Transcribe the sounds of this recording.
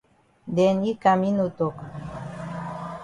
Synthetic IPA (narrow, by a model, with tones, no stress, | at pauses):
dɛ˨ni˦ka˨mi˦no˨to˨k